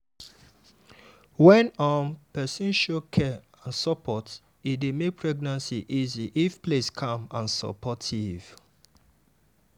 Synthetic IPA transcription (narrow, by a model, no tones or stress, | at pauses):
wɛ̃nɔ̃mpɛsĩnʃokʰɛãnsɔpʰɔt | idemek̚pʰɹɛɡnãnsiʔiziʔifpleskʰãmãnsɔ̰pɔtʰiv̥